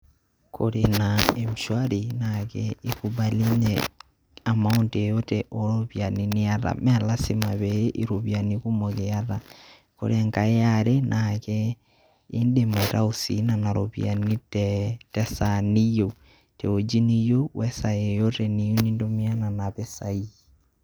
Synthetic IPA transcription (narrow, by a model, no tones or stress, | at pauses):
kʰo̰ɾenaemuʃwaɾinakɛikuβaliɲɛ̰ | amauntejotɛʔoɾoβjaniniaɾa̰mɛlasimaβejeʔiɾoβjanikumoɣeaɾa | ko̰ɾɛŋkaeaɾenʔakɛ | indemaiɾaosḭnanaɾoβij̰a̰nitɛtɛsanijo | tɛod͡ʒinijowɛsaejotɛnijonindomiananaβesai